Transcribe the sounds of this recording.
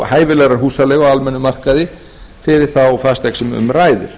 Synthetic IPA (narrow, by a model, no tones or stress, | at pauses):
haːjvɪlɛɣɾaɾ̥ɦuːsalɛːɣɔalmɛnːʏmar̥kaðɪ | fɪɾɪɾ̥θawfast̪ɛksɛmʏ̰mraːjðʏ̰ɾ̥